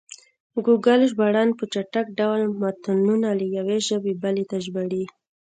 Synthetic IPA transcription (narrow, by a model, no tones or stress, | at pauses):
ɡuɡalʒbaɽɑnpət͡ʃaʈak̚ɖawlmat̪anunaləjaweʒəbebalet̪aʒbaɽi